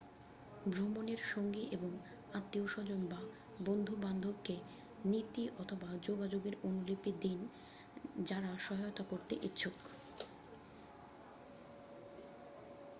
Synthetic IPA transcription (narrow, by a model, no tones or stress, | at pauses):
bʱɾomoneɾʃoŋɡiʔeboŋ | at̪ːioʃɔd͡ʑonba | bond̪ʱuband̪ʱobke | nit̪iʔɔt̪ʰobad͡ʑoɡad͡ʑoɡeɾonulipid̪in | d͡ʑaɾaʃɔɦajot̪akoɾt̪ḛʔitːɕʰok